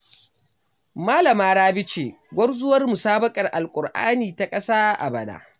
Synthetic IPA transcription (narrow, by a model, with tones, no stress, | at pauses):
maː˦lɐ˨maː˦ɽaː˦bɪ˦t͡ʃeː˨ | ɡʷɔ˦rzʊ˦wɐ˦rmu˨saː˦bɐ˦kʼɐ˨rʔa˨lkʷʼʊ˨rʔa̰ː˦niː˨ta˨kʼɐ˦saː˦ʔa̰˨bɐ˨na̰ː˨˦